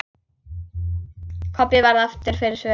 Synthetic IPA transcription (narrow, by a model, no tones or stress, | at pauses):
kʰɔpɪvaɾðaft̪ɪɾ̥fɪɾɪɾ̥svɛ